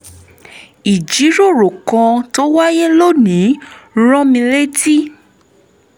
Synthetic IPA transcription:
i˨d͡ʒi˨˦ɾo˦˨ɾo˨kã˧to˦wa˦je˦lo˦˨nĩ˨˦ɾ̃ɔ̃˦mĩ˧le˦ti˦

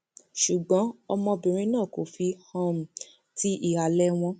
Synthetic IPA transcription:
ʃu˨ɡ͡bɔ̃˨˦ɔ˧mɔ̃˧bĩ˨ɾ̃ĩ˧nãː˦˨ko˨fi˧hã˦˨m̩˨ | ti˦ʔi˨a˨lɛ˧˦w̃ɔ̃˧

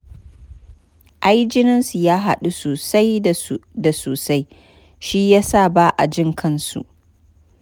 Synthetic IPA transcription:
ʔa˦jd͡ʒɪ˦nɪ˦nsu˨jaː˦ɦa˦ɗu˦soː˨sa˦jda˨soː˨sa˦j | ʃi˦jaː˦sa˦˨baː˦ʔa̰˨d͡ʒɪ˦ŋkʰɐ˦nsṵ˨ʔ

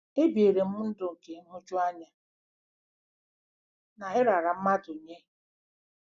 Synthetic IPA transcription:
e˦bi˨e˨ɾe˨m̩˦n̩˦dʊ˨ŋ̩˨ke˨ŋ̩˦ɦʊ˦t͡ʃu˦a˦ɲa˨ | na˨ɦɪ˦ɾa˨ɾa˨m̩˦ma˦dʊ˨ɲe˦

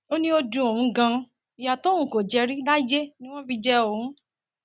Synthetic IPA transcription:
o˦nĩ˦o˧dũ˧o˨ũ˨˦ɡã˧ | i˨ja˨to˦ũ˨ko˨d͡ʒɛ˧ɾi˦da˦d͡ʒe˦nĩ˦w̃ɔ̃˦fi˧d͡ʒɛ˦o˨ũ˨˦

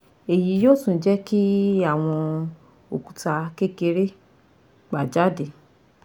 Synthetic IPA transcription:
e˨ji˨˦joː˦˨sũ˨˦d͡ʒɛ˦ki˦a˦˨w̃ɔ̃˧ | o˨ku̥˨ta˧ke˦ke˧ɾe˦ | ɡ͡ba˨d͡ʒa˦de˨

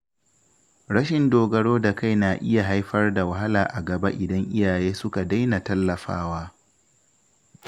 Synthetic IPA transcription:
ɾɐ˦ʃɪ˨ndoː˨ɡɐ˨ɽoː˦da˨ka˦jnaː˨ʔɪ˦ja˨ɦa˦jɸɐ˦rda˨wɐ˨ɦa˦laː˨ʔa˨ɡɐ˨ba̰˦ʔɪ˨dɐ˦ŋʔɪ˦jaː˨jeː˦sʊ˦ka˨da˦jna˨tɐ˦lːɐ˨ɸa̰ː˦waː˦

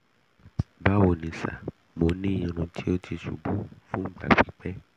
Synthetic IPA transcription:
ba˦wo˨nĩ˨sa̰˨ | mo˨˦nĩ˦˨jĩ˨nũ˨tʰi˦o˦t̪ʰi˧sṵ˨ɡ͡bu˦fũ˦ɡ͡bla̰˨bi˨k͡pɛ˦

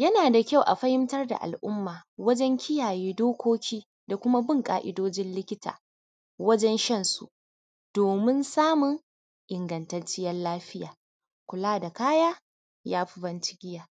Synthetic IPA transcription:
jɐ˦naː˨da˨kʲa˦˨wʔa̰˨ɸɐ˦hɪ˦mtɐ˦rda̰˨ʔa̰˨lʔʊ˦mːaː˨wɐ˦d͡ʒɛ˦ŋkʲʰɪ˦jaː˨jeː˦doː˦kʷoː˦kʲʰiː˦ | da˨kʷʊ˦ma˦bɪ˦ŋkʼa̰ː˨ʔɪ˦doː˦d͡ʒɪ˦nlɪ˦kʲɪ˦ta̰ː˨ | wɐ˦d͡ʒɛ˦nʃɐ˦nsṵ˨ʔ | d̥oː˨mɪ˦nsaː˦mʊ˨ŋ | ʔɪ˨ŋɡɐ˨ntɐ˨nt͡ʃɪ˦jɐ˦nlaː˦ɸɪ˦jaː˨ | kʷʊ˨laː˦da˨kaː˦jaː˦ | jaː˦ɸɪ˦bɐ˦nt͡ʃɪ̥˦ɡʲɪ˦jaː˨

